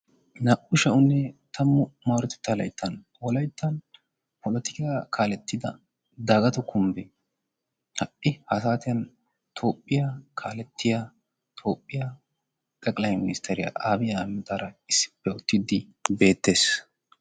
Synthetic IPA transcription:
nɐʔʊʃɐʔʊnːɛt̪ɐmːʊmaːɾɔt̪ɛ̥t̪ːɐlɐ̰jt̪ʰːɐn | wɔlɐjt̪ːɐn | pʰɔlɔt̪ɪ̥kakʰaːlɛt̪ːɪd̪ɐ̰ | d̪aːɡɐt̪ɔkʰʊmbɛ | hɐʔʔɪhɐsaːt̪ɪjɐn | t̪ʰo̞ːpʼːɪjakʰaːlɛt̪ːɪja | t̪ʰo̞ːpʼːɪja | t̪ʼɐkʼlɐjmːɪnɪst̪ʰɛɾɪja̰ʔaːbɪjaːmːɛt̪ʼaːɾɐɪsːɪ̥pːɛʊt̪ːɪd̪ɪbe̞ːt̪ːe̞ːs

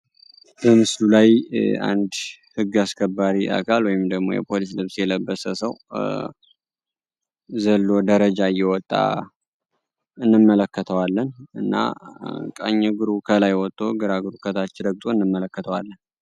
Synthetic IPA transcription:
b̥əmɨslulaja̰nd̪ | hɨɡːaskʰəbːaɾiʔa̰kʰalwɔjɪmd̪əɡmo̞̰jɛ̰pʰolis̬lɨβsjɛləbːəsəsəw | zəlːo̞d̪əɾəd͡ʒaɨjːɛwɔt̪ʼːa̰ | ɨnːɨmːələkːət̪ʰəwalːənɨnːa̰kʼa̰ɲːɛɡɨɾukʰəlajwɔt̪ʼːo̞ɡɨɾaɡɨɾukʰət̪ʰat͡ʃːɪd̪əɡ̚t̪ʼoɨnːɨmːələkːət̪ʰəwalːən

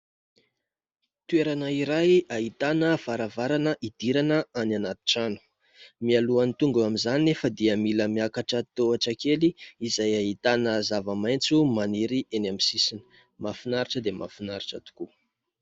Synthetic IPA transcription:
t̪ueɾanəiɾajaɦit̪anəv̥aɾavaɾanəʔid̪̥iɾanəananat̪i̥ʈ͡ʂanu̥ | mialuanit̪uŋɡuamizaninefəd̪iəmiləmiakaʈ͡ʂət̪oaʈ͡ʂakeliizajaɦit̪anəzavamajnt͡sumaniɾiʔenamisisinə̥ | mafinaɾiʈ͡ʂəd̪ema̰finaɾiʈ͡ʂa̰t̪u̥ku

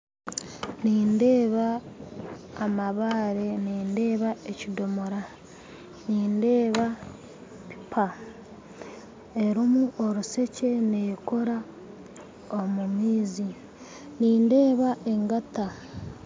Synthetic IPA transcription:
niːnde̞ːβaː | maβaːɾe̞niːnde̞ːβaecido̞moɾa | niːnde̞ːβa | pi̥pʰa | e̞ɾimuʔoɾuse̞ce̞neko̞ɾa | omumiːzi | niːnde̞ːβaʔe̞ŋɡata

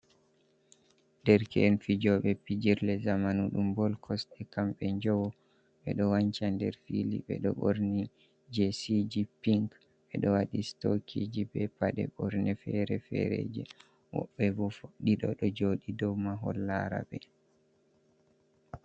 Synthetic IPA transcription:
ndɛɾkɛ̰ːnfid͡ʒɔɓɛpid͡ʒiɾlɛzamanuɗumbɔlkʰɔstɛkamɓɛɲd͡ʒɔwɔ | ɓɛ̰ɗɔwaɲt͡ʃandɛɾfilḭɓɛ̰ɗɔ̰ɓoɾni | d͡ʒɛsid͡ʒipiŋk | ɓɛɗɔwaɗistokʰid͡ʒibɛpaɗɛ̰bɔɾnɛfɛɾɛfɛ̰ɾḛd͡ʒɛ̰ | wɔ̰ɓːɛbɔfoɗiɗɔɗɔd͡ʒoːɗidɔwmaɦɔ̰lːa̰ɾa̰bɛ

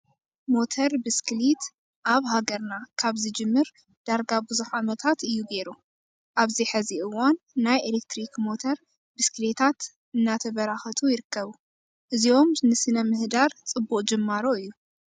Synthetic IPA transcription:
mo̞t̪ʰɐɾbɨsklit̪ | ʔaβɦaɡɐɾnakʰaβzid͡ʒɨmːɨɾ | d̪̥aɾɡabɨzuħamɐt̪ʰat̪ɨjːuɡe̞ɾu | ʔaβziħɨziɨwonːajelekt̪ɾikmo̞t̪ʰɐɾ | bɨskɨlit̪ʰat̪ | ʔɨnːat̪ʰɐβɐɾaxɐt̪ʰujɪɾɨkːɐβu | ʔɨzio̞mnɨsɨnɐmɨhd̪aɾt͡sʼɨbːuqʼd͡ʒɨmːaɾoɨjːu

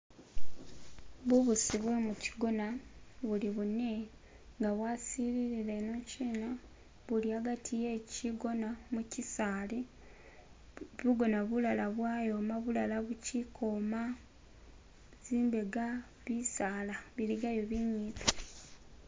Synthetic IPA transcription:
βuβusiβwemuci̥ɡo̞naβuliβune̞ | ŋɡaβwasiɾiɾileno̞ciːna | βuliaɡatʰije̞ciɡo̞namucisaːli | βuɡo̞naβulalaβwaːjo̞ːmaβulalaβuciːkʰo̞ma | ziːmbe̞ɡa | βisaːlaβiɾiɡajoβiɲiːpʰi

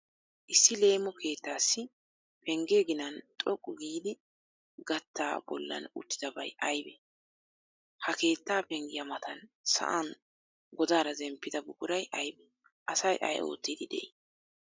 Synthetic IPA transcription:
ʔɪsːɪle̞ːmɔkʰe̞ːt̪ːaːsːɪ | pʰɛŋɡeːɡɪnɐnt̪ʼɔkʼːʊɡiːd̪ɪ | ɡɐt̪ʰːaːbɔ̰lːɐ̰nʊ̰t̪ːɪ̥d̪ɐbɐjʔɐjbɛ | hɐke̞ːt̪ːaːpɛŋɡɪjɐmɐt̪ʰɐnsɐ̰ʔan | ɡɔd̪aːɾɐzɛmpːɪd̪ɐbʊɡʊɾɐjʔɐjbɛ | ʔɐsɐjʔɐ̰jo̞̰ːt̪ːid̪ɪd̪ɛ̰ʔɪ

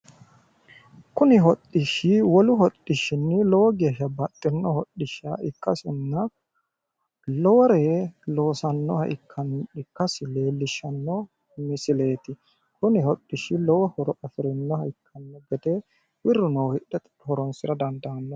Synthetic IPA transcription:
kʊnɪɦɔtʼːɪʃːɪwɔlʊɦɔtʼːɪʃːɪnːɪlɔwɔɡe̞ːʃɐbɐt̪ʼːɪnːɔhɔtːɪʃːɐ̰ʔɪkːɐsɪnːɐ | lɔwɔɾelo̞ːsɐnːɔhɐ̰ʔɪkʰːɐnɪkːɐsɪle̞ːlːɪʃːɐnːɔ | mɪsɪle̞ːt̪ɪ | kʊnɪhɔtʼːɪʃːɪlɔwɔhɔɾɔɐfɪɾɪnːɔhɐɪkʰːɐnːɔɡɛd̪e | wɪrːʊnoːhɪᶑːɛ | hɔɾɔnsɪɾɐd̪ɐnd̪ɐɐnːɔ

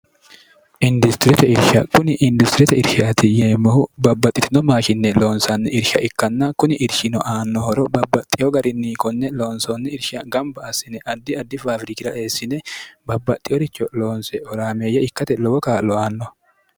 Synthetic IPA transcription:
ʔɪnd̪ʊst̪ɪɾɛt̪ɛɪɾʃɐkʊnɪʔɪnd̪ʊst̪ɪɾɛt̪ɛɪɾʃɪjɐt̪ɪjeːmːɔhʊbɐbːɐt̪ʼːɪt̪ɪnɔmaːʃɪnːɛlo̞ːnsɐnːɛɪɾʃɐʔɪkːɐnːɐkʊnɪʔɪɾʃɪnɔ̰ʔaːnːɔhɔɾɔbɐbːɐt̪ʼːɪjɔɡɐɾɪnːiːkɔnːɛloːnsɔːnːɛɪɾʃɐɡɐmbɐːsːɪnɛʔɐd̪ːɪɐd̪ːɪfaːfɾɪkɪɾɐ̰ʔeːsːɪnɛbɐbːɐt̪ʼːɪjɔɾɪt͡ʃːɔlo̞ːnsɛɔɾaːmeːjːɐɪkːɐt̪ɛlɔwɔkaːlɔaːnːɔ

